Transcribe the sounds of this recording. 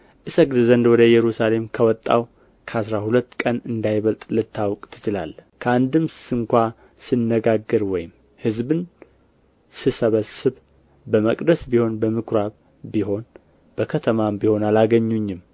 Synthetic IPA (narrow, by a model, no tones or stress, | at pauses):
ʔɨsəkd̪ɨzənd̪wɔd̪əjɛɾusale̞mkʰəwɔt̪ʼːa̰w | kʰəasɾahulət̪ːkʼənɨnd̪ajβəlt̪ʼlɨt̪ʰːawkʼt̪ʰɨt͡ʃɪla̰lkʰəand̪ɨmssɨŋkʷa | sɨnːəɡaɡːɨɾwɔjɪm | hɨzbɨn | sɨsəβəsɨβ | bəməkʼd̪əsbiho̞nbəmɨkʰɾaβ | biɦo̞n | b̥əkʰət̪ʰəmabiho̞nalaɡəɲːuɲːɪm